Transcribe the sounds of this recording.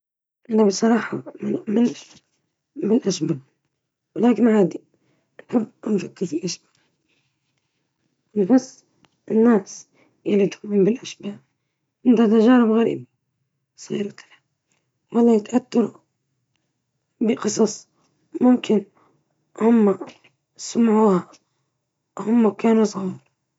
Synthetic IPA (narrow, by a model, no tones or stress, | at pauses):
ʔɪnabisˤɑɾˤɑːħɑmɪn | mɪlʔaʃbal | wɪlaːkɪnʕaːd̪i | nħɪbːʔanfakːɪɾfilʔaʃba | ɪnfas | ʔɪnːaːs | jalːit̪xbmbɪlʔaʃbaː | ʔɪnt̪at̪aʒaːɾɪbɣaɾḭːbi | sˤḭːɾɑt̪lha | wɑlˤːɑːjɪt̪ʔat̪ːɑɾu | bɪqɨsˤɑsˤ | mʊmkɪn | hʊmːa | samʕuːha | hʊmːakaːnusˤɣiːɾ